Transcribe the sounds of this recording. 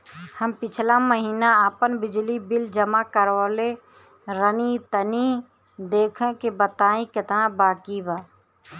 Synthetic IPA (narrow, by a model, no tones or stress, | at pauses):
həmpɪt͡ʃʰlaməɦiːnaaːpənbɪd͡ʒlibɪld͡ʒəmakəɾoːle | ɾənit̪əni | d̪eːkʰə̃kebət̪aːĩkɪt̪nãbaːkibaː